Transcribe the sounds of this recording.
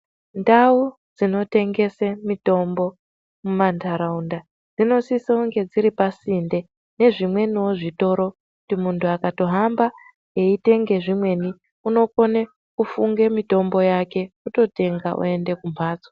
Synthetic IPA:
ndau | d͡zino̞te̞ŋɡe̞semito̞mbo̞ | mumantʰaɾaunda | d͡zino̞sisauŋɡe̞d͡ziɾipasinde̞ | ne̞ʐimwe̞niwoʐito̞ɾo̞kkutimuntʰuakato̞ɦamba | eite̞ŋɡe̞ʐimwe̞ni | uno̞ko̞ne | kufuŋɡe̞mito̞mbo̞jake̞kuto̞te̞ŋɡaʔṵe̞nde̞kumaːd͡zo

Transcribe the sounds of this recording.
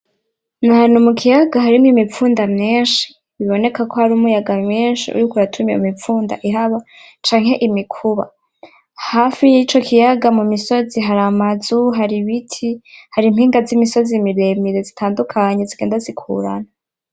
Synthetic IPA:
naan̥umukʰijaɡaɦaɾimwimip͡fuːndamɲeːnʃi̥ | βiβo̞ne̞kako̞haɾumujaɡamɲeːnʃḭṵɾikuɾatʰumjeumipp͡fuːnda̰ʔiɦaβa | t͡ʃaːŋ̥he̞ʔimikʰuβa̰ | hafijit͡ʃo̞kʰijaɡamumiso̞ziɦaɾamazuɦaɾiβitʰihaɾimhiːŋɡazimiso̞zimiɾe̞miɾezitʰaːndukʰaɲe̞ziɡe̞ːndazikʰṵɾa̰na

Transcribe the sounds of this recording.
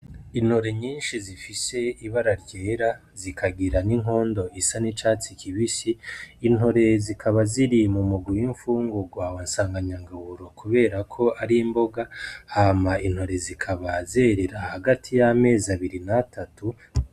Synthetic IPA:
in̥ho̞ɾe̞ɲiːnʃizifise̞iβaɾaɾɟe̞ːɾa | zikʰaɡiɾaniŋo̞ːndo̞isanit͡ʃaːt͡sikʰiβisiːn̥ho̞ɾe̞zikʰaβaziɾimumuɡujiɱfuːŋɡuɡwaːwansaːŋɡaɲaŋɡahuɾo̞kuβe̞ːɾakʰo̞ʔaɾimbo̞ɡahaːmain̥ho̞ɾe̞zikʰaβazeɾe̞ɾahaɡatʰijame̞ːzaβiɾinatʰatu

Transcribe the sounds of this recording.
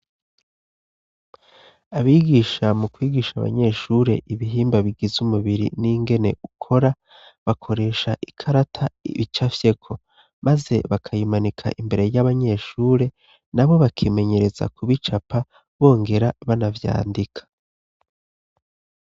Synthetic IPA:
aβiːɡiʃamukwiːɡiʃaβa̰ɲe̞ʃuɾe̞ʔiβiɦiːmbaβiɡizumuβiɾḭniŋɡe̞ne̞̰ʔukʰo̞ɾa | βakʰo̞ɾe̞ːʃaʔikʰaɾatʰaḭβit͡ʃafje̞kʰo̞ | maze̞βakʰajimanikʰa̰ʔimbe̞ɾe̞jaβaɲe̞ʃuːɾe̞ | naβo̞βakʰime̞ɲe̞ɾe̞za̰kuβit͡ʃapʰa | βo̞ːŋɡe̞ɾaβanavja̰ːndikʰḁ

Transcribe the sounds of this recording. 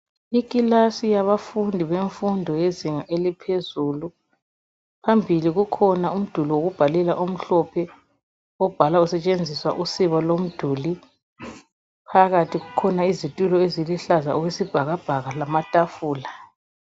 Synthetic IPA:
ikʼilasijaβafundʱiβeɱfundʱɔjeziŋaʔelipʰezuːlu | pʰambʱiliɣukʰɔnaum̩d̥ʱuliwoɣub̥ʱalɛlaʔum̩ɬɔpʰɛ | ɔb̥ʱalausɛt͡ʃʼend͡zʱiswaʔusiβalom̩d̥ʱuːli | pʰaɣatʰiɣukʰɔnaizitʼulɔeziliɬazaɔwesib̥ʱaɣab̥ʱaɣalamatʼafuːla

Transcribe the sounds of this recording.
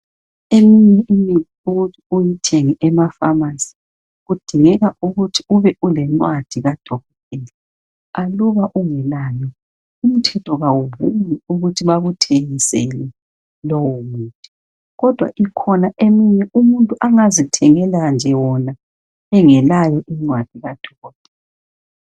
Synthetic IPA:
emiɲɛʔimiiuɣutʰiujitʰɛŋɛʔɛmafamasi̥ | ɣud̥ʱiŋɛɣaʔuɣutʰiuβɛʔulɛnwad̥ʱiɣad̥ʱɔɣɔtʼɛːlɛ | aluβaʔuŋɛlaːmi | um̩tʰɛtʰɔɣawuβumiuɣutʰiβaɣutʰeŋisɛlɛ | lɔwɔmuːtʼi̥ | ɣɔd̥ʱwa̰ʔikʰɔnaʔemiɲɛʔumuntʼuʔaŋazitʰɛŋɛland͡ʒʱɛwɔna | ɛŋɛlajɔʔiŋ͡ǀwad̥ʱiɣad̥ʱɔɣɔtʼɛːl | ɛ

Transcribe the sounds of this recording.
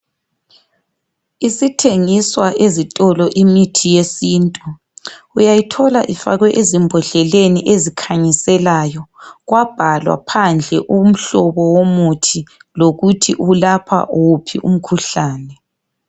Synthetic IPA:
isitʰeŋiswaʔezitʼɔlɔʔimitʰijesiːntʼu | ujajitʰɔlaʔifa̰ɣwɛʔezimbʱɔɮɛleniʔezikʰaɲisɛlajɔɣwab̥ʱalwa̰pʰand͡ɮʱɛʔum̩ɬɔβɔwomutʰiloɣutʰiʔulapʰa̰ʔuupʰiʔṵm̩kʰuɬaːnɛ

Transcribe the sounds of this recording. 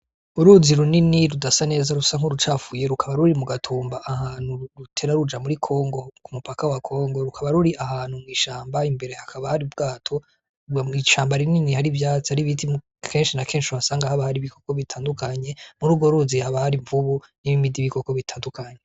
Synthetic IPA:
uɾuziɾuniniɾudasane̞ːzaɾusaŋ̥oɾut͡ʃafuje̞ɾukʰaβaɾuɾimuɡatʰuːmbaʔahaːn̥huɾutʰe̞ɾaɾud͡ʒamuɾikʰo̞ːŋɡo̞kumupakawakʰo̞ːŋɡo̞ɾukʰaβaɾuɾiʔaɦaːn̥humŋiːʃaːmbaimbe̞ɾe̞hakʰaβahaɾibɡaːtʰo̞ | iʃaːmbaɾininihaɾivjaːt͡sihaɾiβitʰi | kʰe̞ːnʃinakʰe̞ːnʃiuhasaːŋɡahaβahaɾiβikʰo̞koβitʰaːndukaɲe̞muɾuːbɡo̞ɾuːzihaβahaɾiɱvuβu | niβimidiβiko̞ko̞βitʰaːndukaːɲe

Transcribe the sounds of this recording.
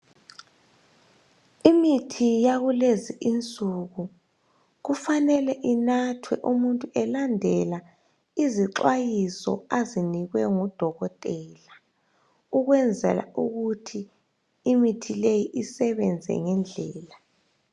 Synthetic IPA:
imitʰijaɣuleziʔint͡sʼuɣu | ɣufanɛlɛʔinatʰwɛʔumuntʼuʔɛlandʱɛla | iziǁwajisɔ̰aziniɣwɛŋud̥ʱɔɣɔtʼɛːla | uɣwɛnd͡zʱɛ̰la̰uɣutʰiː | mitʰilejiʔisɛβɛnd͡zʱɛ̰ŋɛnd͡ɮʱɛːla

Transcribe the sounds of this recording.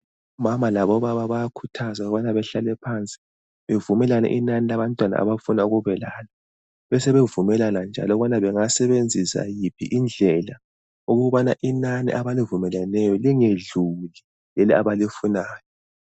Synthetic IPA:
umamalaβɔβaβaβajakʰutʰazauɣβanaβɛɬalɛpʰant͡sʼi̥ | βevumɛlanɛ̰ʔinanilaβantʼwana̰a̰βafunauɣuβɛlaːla | βɛsɛβevumɛlanand͡ʒʱa̰lɔɣuβanaβɛŋasɛβend͡zʱisa̰jipʰḭʔind͡ɮʱɛla | uɣuβanaʔinanḭʔaβalivumɛlanɛjɔliŋeɮuli | jɛlɛa̰βalifunaːjɔ

